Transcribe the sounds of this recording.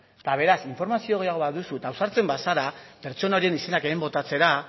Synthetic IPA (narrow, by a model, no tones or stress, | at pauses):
t̪aβ̞e̞ɾasiɱfo̞ɾmasioɣ̞ejaɣ̞o̞βaðusut̪awsaɾt͡se̞mbasaɾape̞ɾt͡ʃo̞naoɾienise̞nakemembo̞t̪at͡se̞ɾa